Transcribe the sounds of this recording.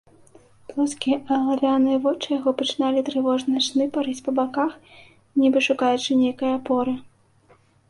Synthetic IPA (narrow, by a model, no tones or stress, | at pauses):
plˠɔskʲiʔɐlˠalʲanɨjɐvɔt͡ʂɨjaɣɔpɐt͡ʂɨnalʲit̪ɾɨvɔʐnɨɐʂnɨpaɾɨt͡sʲpɐbakax | nʲibɨʂukajut͡ʂɨnʲejkɐjɐapɔɾɨ